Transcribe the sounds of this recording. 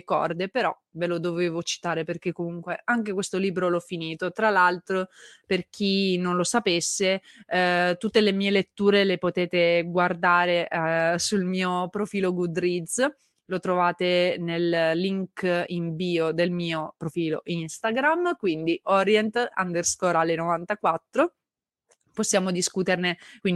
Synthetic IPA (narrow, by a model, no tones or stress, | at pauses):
kɔ̰rd̪epeɾɔ | velod̪oveːvot͡ʃi̥t̪aːɾeperk̟ekːomuŋkweaŋk̟ekwest̪oliːbɾolɔfːiniːt̪ot̪ɾalalt̪ɾoperk̟ʰinonlosapesːe | t̪ut̪ːelemiːelet̪ːuːɾelepot̪ɛːt̪eɡward̪aːɾesulmiːopɾofiːloɡud̪ɾid̪z | lot̪ɾovaːt̪enellːiŋkiɱbiːod̪elmiːopɾofiːlo̰ʔinst̪aɡɾamkwind̪iʔɔɾjɛnt̪a̰nd̪erskɔɾalenovant̪akwat̪ːɾo | posːjaːmod̪iskut̪ernekwin